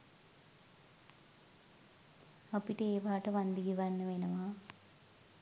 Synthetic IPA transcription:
ɐpiʈeːbaːʈɐʋɐnd̪iɡiʋɐnːɐʋenɐʋaː

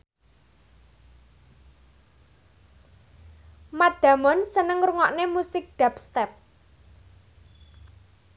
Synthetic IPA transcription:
mad̪̥ä̤mɔnsənəŋruŋɔʔnemusɪk̚ɖ̪̥a̤pst̪ɛp̚

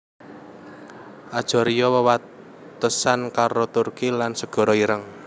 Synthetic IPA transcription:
ʔad̥ʒ̥ɔ̤ɾijɔwəwat̪ | əsankaɾot̪urkilansəɡ̥ɔ̤ɾɔiɾəŋ

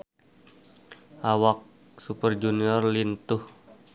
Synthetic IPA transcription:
ʔawak̚ | supərd͡ʒuniɔrlint̪ʊh

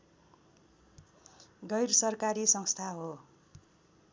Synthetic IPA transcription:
ɡʌjɾsʌrkaɾisʌŋst̪ʰaɦo

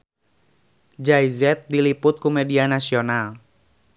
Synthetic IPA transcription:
d͡ʒaizɛt̪̚dilipʊt̪̚kumedianasional

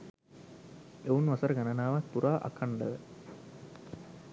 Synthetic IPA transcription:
eunʋɐsəɾəɡanənaːʋat̪̚puɾaːʔa̰kʰaɳɖəʋə

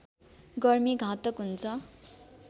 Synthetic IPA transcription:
ɡʌrmiɡʱãt̪ʌkɦunt͡sʰʌ

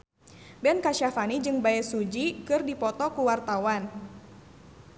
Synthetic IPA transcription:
bɛnkaʃafanid͡ʒɨŋbaɛsud͡ʒikɨrdipɔt̪ɔkuwart̪awan

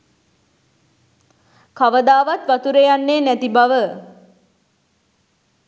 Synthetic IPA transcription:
kaʋəd̪aːʋat̪ʋat̪uɾejanːeːnæt̪ibaʋə

